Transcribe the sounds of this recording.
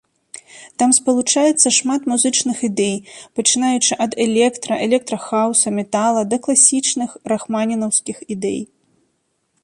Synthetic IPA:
t̪amspɐlˠut͡ʂajɛt̪sːɐʂmat̪muzɨt͡ʂnɨxid̪ɛjpɐt͡ʂɨn̪ajut͡ʂɨʔɐd̪ɛlʲɛkt̪ɾɐʔɛlʲɛk̚t̪ɾɐxawsɐmʲɛt̪alˠɐd̪ɐklˠasʲit͡ʂnɨxraxmanʲinɐwskʲixid̪ɛ̰j

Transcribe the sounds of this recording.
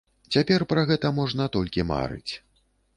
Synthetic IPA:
t͡sʲapʲɛrpɾaɣɛt̪ɐmɔʐnɐt̪ɔlʲkʲima̰ɾɨ̰t͡sʲ

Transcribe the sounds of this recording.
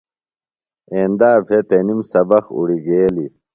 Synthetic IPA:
eːnd̪aːbʱet̪enimsɐbɐxṵɽiɡeːli

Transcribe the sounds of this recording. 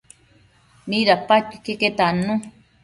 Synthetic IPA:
nĩɾapat̪u̥keket̪anũ

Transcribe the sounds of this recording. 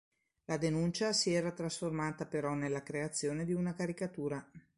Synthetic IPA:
lad̪enunt͡ʃasiɛːɾat̪ɾasformaːt̪apeɾɔnelːakɾeat̪sːjoːned̪iunakaɾikat̪uːɾa

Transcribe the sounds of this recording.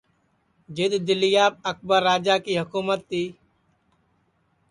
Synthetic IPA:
d͡ʒɪd̪d̪ɪlɪjaːb̚ək̚ʰbəɾːaːd͡ʒaːkiːɦʊkuːmət̪ːiː

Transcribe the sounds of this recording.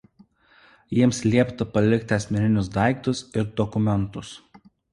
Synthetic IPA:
jiɛmslʲiɛpt̪ɐpɐlʲɪkʲt̪ʲɐsʲmʲɛnʲɪnʲʊsd̪ɑˑɪkt̪ʊsɪɾd̪ɔkʊmʲɛnˑt̪ʊs

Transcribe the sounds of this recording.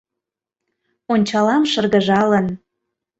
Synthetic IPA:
onʲt͡ɕɑlɑmʃɤrɣəʒɑlən

